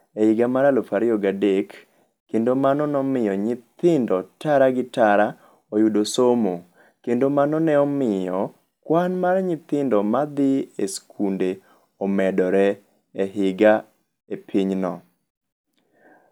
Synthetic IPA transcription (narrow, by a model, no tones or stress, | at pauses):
ehɪɡamaɾalofaɾɪjɔɡadekː | endomanɔnɔmɪjɔɲɪt̪ɪndɔtaɾaɡɪtaɾa | ojudosomo | kendomanɔnɛɔmɪjɔ | kwanmarɲɪt̪ɪndɔmad̪ɪeskʰunde | ɔmɛdɔɾɛ | eɦɪɡa | epʰiɲnɔ